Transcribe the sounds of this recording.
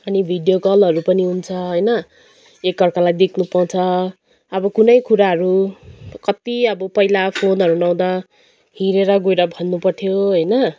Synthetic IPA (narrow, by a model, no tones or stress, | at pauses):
ʌnibʱiɖjokʌlʌɾupʌniɦunt͡sʰʌɦʌjnʌ | ekːʌrkalajd̪ekʰnupʌ̃t͡sʰʌ | ʌbʌkunʌjkuɾaɦʌɾukʌt̪iʌbʌpʌilapʰonʌɾunʌw̃d̪a | hiɾeɾʌɡojɾʌbʱʌnːupʌrt̪ʰjoɦʌjnʌ